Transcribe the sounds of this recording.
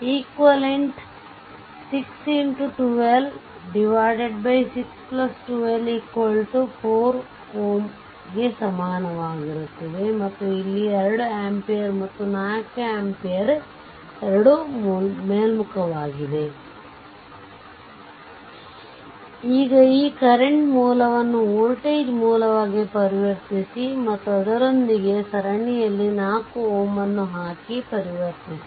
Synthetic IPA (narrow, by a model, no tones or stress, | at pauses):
iːkʋɐleɳʈ | siksinʈuʈuʋel | ɖiʋaːjɖeɖbɐjsiksplɐsʈuʋeliːkʋɐlʈupʰoːɾ | hoːm | ɡe̞sɐmaːnɐʋaːɡiɾut̪ːɐd̪e̞mɐt̪ːuilːieɾɐɽueːmpejɐɾmɐt̪ːunaːjkaːmpijɐɾ | ɛɾɐɽummeːlmukɐʋaːɡid̪e̞ | iːɡɐiːkɐɾeɳʈmuːlɐʋɐnːuoːlʈeːd͡ʒmuːlɐʋaːɡipɐɾiʋɐɾt̪isimɐt̪ːuɐd̪ɐɾond̪iɡe̞sɐɾɐɳijɐlːinaːkuoːmɐnːuɦaːkipɐɾiʋɐɾt̪isi